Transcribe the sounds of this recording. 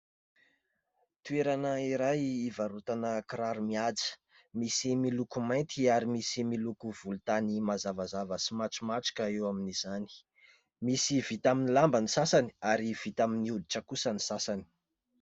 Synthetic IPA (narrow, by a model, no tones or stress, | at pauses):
t̪ueɾanəiɾajivaɾut̪anəkɾaɾumiad͡zə̥ | misimilukumajnt̪iaɾimisimilukuv̥ulut̪animazavazavəsimaʈ͡ʂimaʈ͡ʂi̥kəewaminiz̥ani̥ | misivit̪aminilambanisasaniaɾiv̥it̪aminiud̪iʈ͡ʂəkusənisasani̥